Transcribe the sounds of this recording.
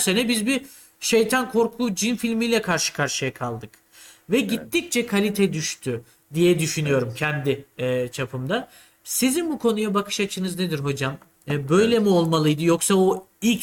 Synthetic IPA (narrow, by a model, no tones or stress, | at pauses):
se̞nɛbizbi | ʃejt̪ʰankʰo̞ɾkʰud͡ʒinfilʲmijlʲɛkʰaɾʃɯ̥kʰaɾʃɯjakʰalˠd̪ɯk | vɛɟit̪ːic̚t͡ʃʰɛkʰalʲit̪ʰɛd̪yʃt̪ʰy | d̪ijɛd̪yʃynyjo̞ɾumcʰɛnd̪ɪɛt͡ʃʰapʰɯmd̪a | sizinbukʰo̞nujabakʰɯ̥ʃat͡ʃʰɯnɯzned̪iɾɦo̞d͡ʒamː | bø̞jlʲemio̞lˠmalˠɯjd̪ɯjo̞ksao | ilʲc